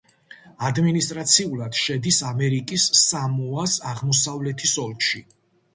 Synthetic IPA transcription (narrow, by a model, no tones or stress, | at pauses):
ad̪minist̪ʼɾat̪sʰiulˠad̪̥ʃɛd̪isamɛɾikʼisːamuasaʁmɔsavlɛt̪ʰisɔlkʃi